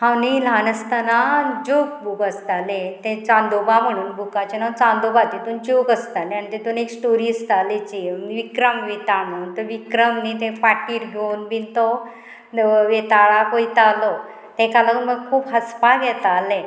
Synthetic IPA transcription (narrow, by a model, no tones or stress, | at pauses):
hãwnilanəst̪anad͡ʑok̚buɡəst̪alet̪ẽt͡sand̪obam̤əɽ̃uːnbʱukat͡ɕenant͡sãnd̪obat̪et̪uːnd͡ʑokəst̪aleanit̪et̪uːneksʈoɾiːst̪alet͡ɕinʋikɾəmʋet̪am̤əɽ̃uːnt̪əʋikɾəmnit̪̬ẽpaʈiːɾɡʱenbint̪ɔ | ʋet̪aɭakoit̪alɔ | t̪ẽkaləməɡ̚kʰuːpɦəspaɡɛt̪alẽ